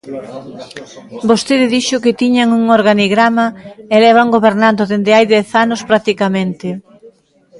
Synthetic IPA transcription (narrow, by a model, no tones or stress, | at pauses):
bost̪eðɪðiʃʊkɪt̪iɲaŋuŋoɾɣaniɣɾamaelɛβaŋɡoβeɾnand̪oðend̪ɪajðɛθanospɾak̚t̪ikamẽnt̪ɪ